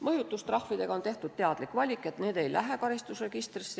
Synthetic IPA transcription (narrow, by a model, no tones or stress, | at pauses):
mɤjut̪ːˑust̪rɑhvid̪e̞ɡ̥ɑo̞nt̪e̞ht̪ud̪̥t̪eɑd̪̥likːˑvɑlʲikːˑe̞t̪ne̞ːd̪e̞jlʔæɦe̞kɑɾist̪usre̞ɡ̥ist̪ris